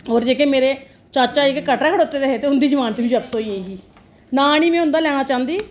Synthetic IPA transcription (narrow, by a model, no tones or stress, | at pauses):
oːɾd͡ʒeːkeːmeːɾeː | t͡ʃaːt͡ʃaːekekəʈːaːkʰəɽoːt̪eːd̪eɦet̪eːʊnd̪iːd͡ʒəmaːnt̪ːbiːd͡ʒəb̚t̪õːiːeɦiː | naːñiːmɛ̃ːɦʊ̃nd̪aːlɛːɽ̃aːt͡ʃãːnd̪iː